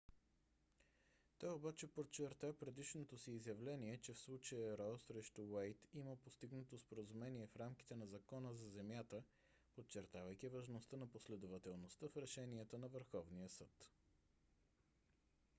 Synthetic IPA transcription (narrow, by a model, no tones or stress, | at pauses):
t̪ɔjobat͡ʃɛpot͡ʃːɛɾt̪apɾɛd̪iʃnot̪osiːzjɐvlɛniɛt͡ʃɛfslˠut͡ʃəjəɾɔsɾɛʃt̪ʊwajt̪iməpost̪iɡnət̪ospoɾəzumɛniɛfɾamki̥t̪ɛnɐzɐkɔnəzɐzɛmjat̪ə | pot͡ʃɛɾt̪avəjk̟ivɐʒnost̪ənɐposlɛd̪ovɐt̪ɛlˠnost̪əfɾɛʃɛniət̪ənɐvəɾxɔvnijəsɤt̪